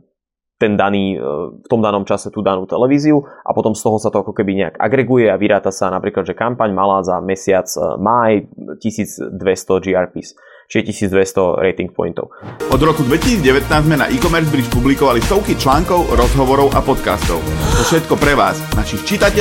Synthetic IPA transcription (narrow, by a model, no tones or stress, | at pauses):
t̪ɛnd̪aniːft̪ɔmd̪anɔmt͡ʃasɛt̪uːd̪anuːt̪ɛlɛʋiːziuʔa̰pɔt̪ɔmst̪ɔɦɔsat̪ɔakɔkɛbiɲɛa̰ɡa̰ɡɾɛɡujɛaʋiɾaːt̪asanapɾiːklad̪ʒɛkampaɲmalaːzamɛsɪat͡smajcisiːd͡zd̪ʋɛst̪ɔd͡ʒiaɾpis | t͡ʃiɛcisiːd͡zd̪ʋɛst̪ɔɾɛ̰jt̪iŋk̚pɔ̰jint̪ɔ̰ʊʔɔd̪ɾɔkud̪ʋɛcisiːd͡zɟɛʋɛt̪naːzzmɛna̰ʔikɔmɛɾzbɾiʃpublikɔʋalist̪ɔʊkit͡ʃlaːŋkɔʊɾɔzɦɔʋɔɾɔʊʔa̰pɔt̪kast̪ɔʊt̪ɔfʃɛt̪kɔpɾɛʋaːznaʃixt͡ʃit̪acɛ